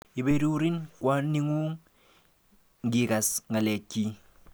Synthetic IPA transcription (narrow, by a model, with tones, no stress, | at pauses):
i˨be˦ɾi˦u˦ɾi˦nkwa˦ni˦ŋu˦ŋ | ŋ˦ɡi˨ka˨sŋa˨le˨kːi˦